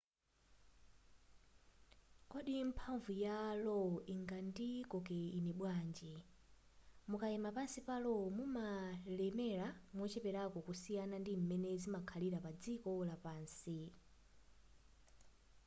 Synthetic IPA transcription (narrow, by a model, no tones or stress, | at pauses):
kɔɗim̩pʰaɱvujalɔiŋɡandikɔkɛinɛɓwaːnd͡ʒɛ | mukaɛmapansipalɔmumalɛmɛɾamwɔt͡ʃɛpɛɾakɔkusijanandim̩mɛnɛzimakʰaliɾapad͡zikɔlapaːnsi